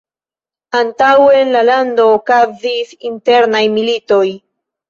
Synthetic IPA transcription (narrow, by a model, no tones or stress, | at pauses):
antawenlalando̞ːkazisinte̞ɾnajmilito̞j